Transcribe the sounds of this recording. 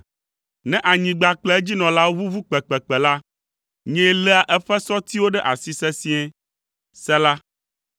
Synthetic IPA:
nɛ̃˦ʔa˨ɲĩ˨ɡ͡ba˨k͡plɛ˦ɛ˦d͡ʑi˦nɔ̃˨la˦wo˦vu˦vu˦k͡pɛ˨k͡pɛ˨k͡pɛ˨la˦ | ɲɛ̃˦lɛ˦a˨ʔɛ˦ɸɛ˦sɔ˦t̪i˦wo˦ɖɛ˦ʔa˨si˦sɛ˦sĩ˦ɛ̃˦ | sɛ˦la˦

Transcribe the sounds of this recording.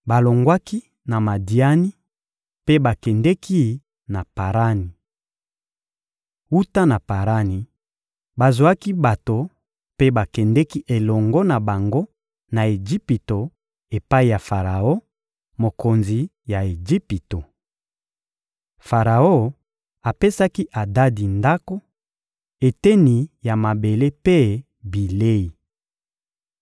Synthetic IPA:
ba˨lo˨ŋɡwa˦ki˦ | na˨ma˨di˨a˦ni˦ | pe˦ba˨kɛ˨ndɛ˦kʰi˦ | na˨pa˨ʁa˦ni˨ | u˦ta˦na˨pa˨ʁa˦ni˨ | ba˨zwa˦ki˦ba˨to˨ | pe˦ba˨kɛ˨ndɛ˦ki˦ʔe˨lɔ˨ŋɡɔ˦na˨ba˨ŋɡo˦ | na˨e˨d͡ʒi˦pi˨to˨ | e˨pa˦i˨ja˨fa˨ʁa˨o˦ | mo˨ko˨nzi˨ | ja˨e˨d͡ʒi˦pi˨to˨ | fa˨ʁa˨o˦ | a˨pe˦sa˦ki˦ʔa˨da˦di˨nda˦ko˦ | e˨tɛ˦ni˨ja˨ma˨be˨le˦pe˦ | bi˨le˦i˨

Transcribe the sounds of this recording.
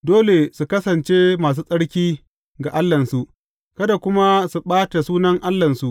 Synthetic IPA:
doː˦le˨su˨kɐ˦sɐ˨nt͡ʃe˦maː˨s̬uː˦sʼɐ˦ɽkʲiː˦ | ɡa˨ʔa˦lːɐ˨nsu˨ʔ | kɐ˦da˨kʷʊ˦ma˦su˨ɓaː˦ta˨suː˦nɐ˦ŋʔa˦lːɐ˨nsu˨ʔ

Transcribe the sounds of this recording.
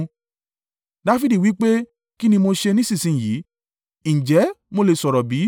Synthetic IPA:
da˨˧˦fi˦di˨wi˨˦k͡pe˦ | ki˦nĩ˧mo˧ʃe˧nĩ˦sĩ˦˨sĩ˨˦˨ji˨˦ | n̩ĩ˨d͡ʒɛ˨˦mo˧le˧˨sɔ˨ɾɔ˨bi˨˦

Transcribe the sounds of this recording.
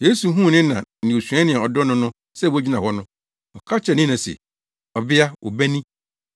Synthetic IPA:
jeː˦su˨˦ɦũ˦˨nɪ̃˦nã̰˨n̩˨ɪ̃˨o˨sᶣɛ̃˦nɪ̃˨ɛ˨ɔ˨dɔ˦nʊ̃˦nʊ̃˦ | sɛ˦˨wd͡ʑi˦nã˨hɔ˦nʊ̃˦ | ɔ˨kʰa˦t͡ɕʰɛ˨nɪ̃˦nã˨sɛ̰˨ | ɔ˨bɪ˦a˦ʔɔ̰˨bæ˦nĩ˦

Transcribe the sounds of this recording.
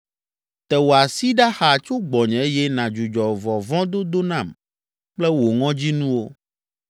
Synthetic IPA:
t̪ɛ˨wo˨a˨si˦ɖa˦xa˨t͡ʃo˦ɡ͡bɔ˨ɲɛ̃˨e˦jɛ˦nã˨d͡ʒu˨d͡ʒɔ˨vɔ˨vɔ̃˦d̪o˦d̪o˦nã˨m | k͡plɛ˦wo˨ŋɔ̃˦d͡ʑi˦nũ˦wo˦

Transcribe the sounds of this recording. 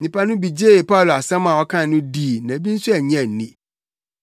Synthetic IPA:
ɲĩ˨pʰa˦nʊ̃˦bi˨d͡ʑe˦˨pʰa˦˨lo˨a˨sɛ̃˦mã˨wɔ˦kʰã˦nʊ̃˦diː˦˨˦nã˨bi˦n̩˦sʊ˦ɛ˨ɲ˦ɛ̃˦˨n̩˨nĩ˦

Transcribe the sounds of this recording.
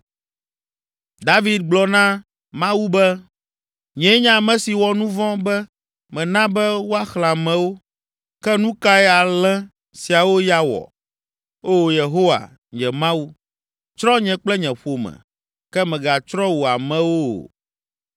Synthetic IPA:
d̪a˦vi˦d̪̚ɡ͡blɔ˨nã˦ | mã˦wu˦bɛ˦ | ɲɛ̃˨˦ɲã˦˨mɛ̃˨si˨wɔ˦nũ˦vɔ̃˦bɛ˦ | mɛ̃˨nã˦bɛ˦wo˦a˦xl̃ã˨mɛ̃˨wo˦ | kɛ˦nũ˦ka˦ɛ˦a˨lɛ̃˦ | si˨a˨wo˦ja˦wɔ̰˨ | o˦je˨ɦo˦wa̰˨ | ɲɛ̃˨mã˦wu˦ | t͡ʃɾɔ̃˦ɲɛ̃˨k͡plɛ˦ɲɛ̃˨ɸo˨mɛ̰̃˨ | kɛ˦mɛ̃˨ɡa˨t͡ʃɾɔ˦wu˨a˨mɛ̃˦wo̰˦˨

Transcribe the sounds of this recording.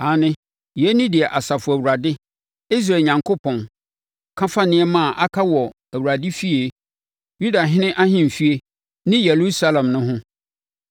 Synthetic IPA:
a˨nɪ̃˦ | jɛ˦nɪ̃˦dɪ˨ɛ˨ʔa˨sa˨fʊ˨æ˨wu˨ɾa˨dɪ˦ | i˦s̬ɾaː˦˨ɲã˨ŋkʰo˦pʰɔ̃˨n | kʰã˦fa˦nɪ̃˦ɛ˦mã˦˨ʔa˦kʰa˦wɔ˨ | æ˨wu˨ɾa˨dɪ˦fi˦e˦ | ju˦da˨ɦɪ̃˦nɪ̃˦ʔa˦hɪ̃˦m̩˨fi˦e˦ | nɪ̃˦jɛ˨ɾu˦sa˦lã˨mnʊ̃˦ɦʊ̃˦

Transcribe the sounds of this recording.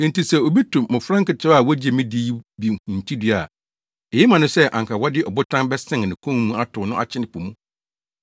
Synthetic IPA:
n̩˨tʰi˨sɛ˨o˨bi˦tʰũ˨mʊ̃˨fɾã˦ŋkɪ˨t͡ɕʰɛ˦a˦˨wɔ˦d͡ʑi˦e˨mĩ˦di˦bi˨hũ˨n̩˨tʰi˦dɪ˨˦a˨ | ɛ˨jɪ˦mã˨nʊ̃˦sɛ˦ʔã̰˨ŋkʰa˨wɔ˦dɪ˦ʔɔ˨bʊ˦tʰã˦nbɛ˦sɪ̃˦ŋ˨nɪ̃˨kʰũ˦mũ˦a˦tʰʊ˨nʊ̃˦ʔa̰˨t͡ɕʰɪ˦nɪ̃˦pʰʊ˨mũ˦

